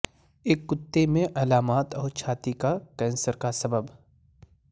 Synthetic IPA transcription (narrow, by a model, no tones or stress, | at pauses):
eːkːʊt̪ːemẽʔɐlaːmaːt̪ɔːɾt͡ʃʰaːt̪ikakɛ̃ːnsəɾkasɐbəb